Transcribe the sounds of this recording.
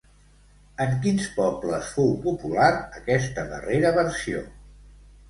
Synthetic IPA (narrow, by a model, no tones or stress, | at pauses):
əŋkinspɔbləsfowpupulaɾəkɛst̪əðə̰reɾəβəɾsio̰